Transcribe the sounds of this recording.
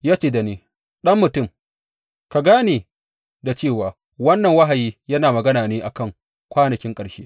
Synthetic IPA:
jaː˦t͡ʃeː˦da˨neː˦ | ɗɐ˦mːʊ˨tʊ˦˨m | ka˨ɡaː˦neː˨ | da˨t͡ʃeː˦˨waː˨ | wɐ˦nːɐ˨ŋwɐ˦ɦa˨jiː˦jɐ˦naː˨mɐ˨ɡɐ˦naː˨neː˦ʔa˨kɐ˦˨ŋ | kʷaː˦nɐ˨kʲɪ˦ŋkʼɐ˨ʃḛː˦

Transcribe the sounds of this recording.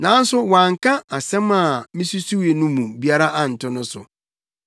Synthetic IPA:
nã˨˦n̩˦sʊ˦wã˨ŋ̩˨kʰa˦a˨sɛ̃˦ma˨mĩ˦su˦su˦we˨nũ˦mũ˨bi˦a˦ɾa˦ʔa˨n̩˨tʰʊ˦nʊ̃˦sʊ˨

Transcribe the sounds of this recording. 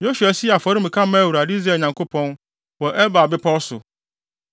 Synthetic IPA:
jo˦su˨a˨si˦a˨fɔ˨ɾi˦m̩˨kʰã˦mã˦wu˨ɾa˨di˦z̬ɾɛ˨ɲã˨ŋko˦pʰɔ̃˦n | wɔ˨ʔɛ˦ba˨bɪ˦pʰɔ˦sʊ̰˨

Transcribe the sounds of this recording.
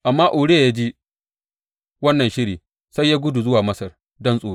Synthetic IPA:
ʔa˨mːaː˦ʔoː˨ɽe˦a˨ja˦d͡ʒi˦ | wɐ˦nːɐ˨ʃɪ˦ɽiː˨ | sa˦jːaː˦ɡʷʊ˦du˨zʊ˦waː˨mɐ˦sɐ˨r | dɔ˦nsʼoː˨˦

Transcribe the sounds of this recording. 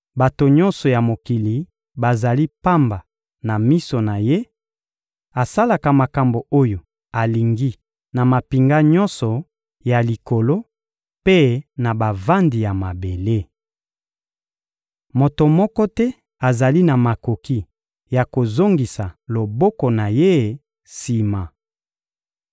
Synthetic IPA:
ba˨to˨ɲɔ˦nsɔ˨ja˨mo˨ki˨li˨ | ba˨za˨li˦pa˦mba˨ | na˨mi˦so˨na˨je˦ | a˨sa˦la˨ka˨ma˨ka˨mbo˨o˦jo˨ | a˨li˨ŋɡi˦ | na˨ma˨pi˨ŋɡa˦ɲɔ˦nsɔ˨ | ja˨li˨ko˨lo˦ | pe˦na˨ba˨va˦ndi˨ja˨ma˨be˨le˦ | mo˨to˨mɔ˦kɔ˦tɛ˦ | a˨za˨li˦na˨ma˨ko˨ki˦ | ja˨ko˨zo˦ŋɡi˨sa˨lo˨bɔ˦kɔ˨na˨je˦ | si˨ma˨

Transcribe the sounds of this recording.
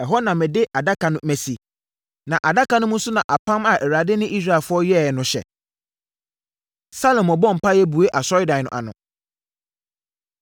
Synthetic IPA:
ɛ˨ɦɔ˦nã˨mɛ̃˨dɪ˦ʔa˨da˦kʰa˨nʊ̃˦mæ˨si˨ | nã˨ʔa˨da˦ka˨nʊ̃˦mʊ̃˦sʊ˦nã̰˨ʔa˨pʰã˦ma˨ʔɛ˨ɾa˨dɪ˦nɪ̃˦ʔi˦sɾa˨fʊ˦ɔ˦jɛ˦˨ɛ˨nʊ̃˨ɕɛ̰˨ | sa˦lɔ̃˨mɔ˨bɔ̃˦m̩˨pʰa˦jɛ˦bu˨e˦ʔa˨sɔ˦ɪ˦dã˨nʊ̰̃˨a̰˨nʊ̰̃˨

